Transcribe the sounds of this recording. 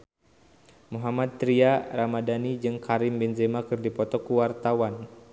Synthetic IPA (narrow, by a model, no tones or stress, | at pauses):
muɦamad̪̚t̪ːɾiaramadanid͡ʒɨŋkʰaɾimbɛnzɛmakɨrdipɔt̪ɔkuwart̪awan